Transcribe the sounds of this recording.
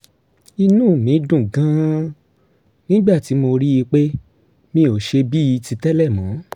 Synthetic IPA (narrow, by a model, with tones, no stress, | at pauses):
i˧nũ˦˨mĩ˨˦dũ˦˨ɡã˦ | nĩ˦ɡ͡ba˦˨ti˨˦mo˧ɾi˦i˧k͡pe˦ | mĩ˧o˨ʃe˧bi˦i˧ti˧tɛ˦lɛ˦˨mɔ̃˨˦